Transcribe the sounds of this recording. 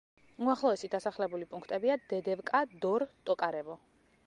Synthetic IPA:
uaχlˠɔɛsid̪asaχlɛbulipʼuŋkʰt̪ʼɛbiad̪ɛd̪ɛvkʼad̪ɔɾt̪ʼɔkʼaɾɛbɔ

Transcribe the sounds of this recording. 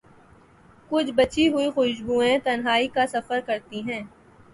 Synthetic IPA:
kʊt͡ʃʰbɐt͡ʃiɦʊixʊʃɡuːẽt̪ɐnɦaːikasɐfəɾkɐɾt̪iɦɛ̃ː

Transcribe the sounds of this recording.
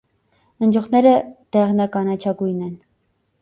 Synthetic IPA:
ənd͡ʒɔχnɛɾəd̪̥ɛʁnɑkɑnɑt͡ʃʰɑɡujnɛn

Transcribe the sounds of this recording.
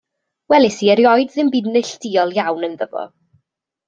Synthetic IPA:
wɛlˠɪsiːɛɾjɔjdðɪmbɪdnɨɬd̥iːɔlˠjawnənðəvɔ̰

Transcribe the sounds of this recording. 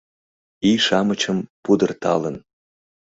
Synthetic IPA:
iʃɑmət͡ɕəmpud̪ərt̪ʰɑ̰lən

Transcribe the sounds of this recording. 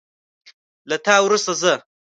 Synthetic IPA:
lat̪aːwɾust̪azə

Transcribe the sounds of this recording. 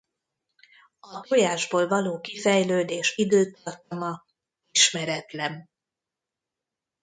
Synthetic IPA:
ɒɦojaːʒboːlvɒloːkifɛjløːd̪eːʃid̪øːt̪ɒrt̪ɒmɒ | iʃmɛɾɛt̪lɛn

